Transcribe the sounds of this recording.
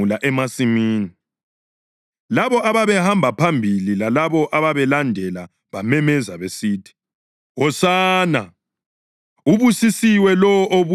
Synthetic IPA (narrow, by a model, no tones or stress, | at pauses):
laʔɛmasimiːni | laβɔʔaβaβɛhambʱapʰambʱililalaβɔʔaβaβɛlandʱɛla | βamɛmɛzaβesiːtʰi̥ | wɔsaːna | uβusisiwɛlɔʔoβu